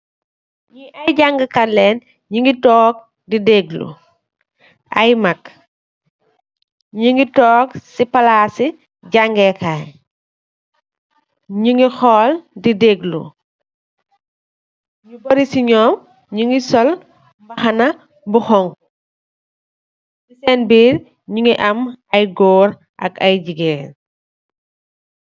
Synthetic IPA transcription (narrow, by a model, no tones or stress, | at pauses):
ɲiʔɐjɟaŋɡɐkɐlɛːn | ɲiŋɡitɔːk̚ | dideːɡlṵ | ʔajmɐk | ɲiŋɡitɔːksipɐlaːsi | ɟaŋɡɛkaːj | ɲiŋɡixɔːldideɡlṵ | ɲubɐɾisiɲɔːm | ɲuŋɡisɔl | bɐxɐnɐ | buxɔŋku | disɛnbiːɾ | ɲuŋɡiʔɐmɐjɡɔːɾ | ʔɐ̰kɐjɟiɡɛːn